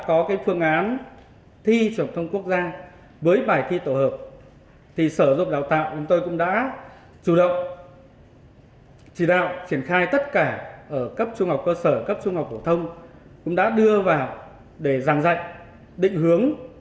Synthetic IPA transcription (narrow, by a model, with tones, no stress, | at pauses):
kɔ˨˦kaː˨˦jfɨ˧əŋʔaː˨˦n | t̪ʰi˧t͡ɕɨ˨˩ənt̪ʰə˧wŋ͡mku˦˥ək̚zaː˧ | vəː˨˦jɓaː˨˩jt̪ʰi˧t̪o˧˩həː˨˩p̚ | t̪ʰi˨˩səː˧˩zʊ̰˧˨ŋ͡mɗaː˨˩wt̪a̰ː˧˨wt͡ɕʊ˨˦ŋ͡mt̪o˧jkʊ̰˧˥ŋ͡mɗa̰ː˧˥ | t͡ɕu˧˩ɗə̰˧˨wŋ͡m | t͡ɕi˧˩ɗa̰ː˧˨wt͡ɕi˧˩ənxaː˧jt̪ə˦˥t̚kaː˧˩ʔəː˧˩kə˦˥p̚t͡ɕʊ˧ŋ͡mha˨˩wk͡p̚kəː˧səː˧˩kə˦˥p̚t͡ɕʊ˧ŋ͡mha˨˩wk͡p̚ho˧˩t̪ʰə˧wŋ͡mkʊ̰˧˥ŋ͡mɗa̰ː˧˥ɗɨ˧əvaː˨˩w | ɗe˧˩zaː˧˩ŋza̰˧˨jŋ | ɗḭ̈˧˨ŋ̟hɨ˨˦əŋ